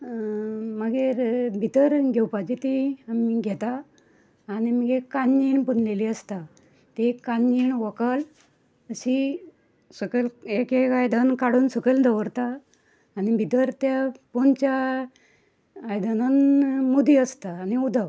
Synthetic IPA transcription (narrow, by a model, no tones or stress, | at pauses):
məɡeɾbʱit̪əɾɡʱewpat͡ɕit̪iamiɡʱet̪aː | ñiməɡekːanjiɳpənleliːəst̪a | t̪ikːanːiɳʋəkəl | əɕi | sukelekekajd̪ənkaɽuːnsukeld̪əʋəɾt̪aː | nibʱit̪əɾt̪japont͡ɕa | jd̪ananmud̪ʱiəst̪aːniud̪ʱə